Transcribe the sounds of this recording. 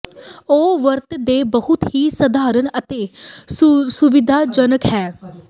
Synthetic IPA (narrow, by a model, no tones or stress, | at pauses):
oːʋəɾt̪d̪eːbəɦʊt̪ɦiːsəd̪aːɾənət̪eː | sʊʋɪd̪ʱaːd͡ʒənəkhɛː